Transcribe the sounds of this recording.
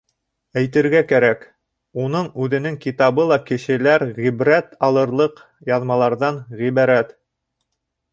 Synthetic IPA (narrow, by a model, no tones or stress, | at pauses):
æjt̪ɘ̆ɾɡækæɾæk | unɤɴʉðɘ̆nɘŋkit̪ɑβɤlˠɑkɘ̆ʃɘ̆læɾʁibɾæt̪ɑlˠɤ̆ɾlˠɤq | jɑðmɑlˠɑɾðɑnʁiβɑɾæt̪